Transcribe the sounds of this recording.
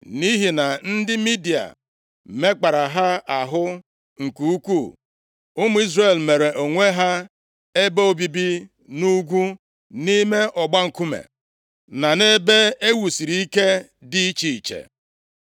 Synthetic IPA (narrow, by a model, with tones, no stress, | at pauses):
ni˦ɦi˨na˨n̩˦dɪ˦mi˦di˨a̰˨ | me˦k͡pa˨ɾa˨ɦa˦a˨ɦʊ˦ | ŋ̩˨ku˨u˦kʷu˦˨ | ʊ˦mʊ˦i˦zre˨lme˨ɾe˨ʔo˨ŋʷe˦ɦa˦ | e˦be˦o˦bi˦bi˦ | nu˦ɡʷu˦ | ni˦me˦ʔɔ˨ɡ͡ba˦ŋ̩˨ku˦mḛ˨ | na˨ne˦be˦e˦wu˨si˨ɾi˦i˦ke˦ | dɪ˦i˦t͡ʃi˨i˨t͡ʃḛ˨